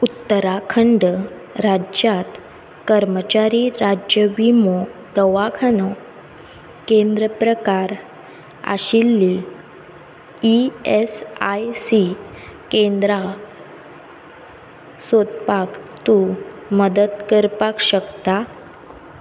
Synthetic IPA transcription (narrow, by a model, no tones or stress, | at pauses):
ut̪ːəɾakʰəɳɖ | ɾad͡ʑjat̪ | kəɾmət͡ɕaɾiɾad͡ʑjəbimod̪əʋakʰanɔ | kend̪ɾəpɾəkaɾ | a̰ɕilːi | iesajsi | kẽnd̪ɾa | sot̪pakt̪u | məd̪əd̪kəɾpakɕəkt̪a